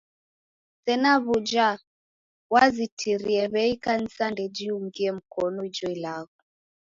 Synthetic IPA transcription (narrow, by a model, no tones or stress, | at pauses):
sɛnaβud͡ʒa | wazitʰiɾiɛβɛikan̩sandɛd͡ʒiuŋɡiɛm̩kɔnɔid͡ʒɔilaɣɔ